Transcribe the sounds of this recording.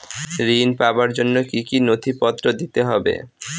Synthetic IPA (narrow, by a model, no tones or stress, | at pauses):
ɾinpabaɾd͡ʑonːokikinot̪ʰipɔt̪ːɾod̪it̪eɦɔbḛ